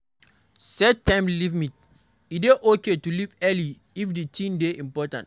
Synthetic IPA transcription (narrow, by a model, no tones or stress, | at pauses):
sɛtːãmlivmit̚ | ideʔoketulipɛli | ifditʰĩmdeʔĩmpɔtãnt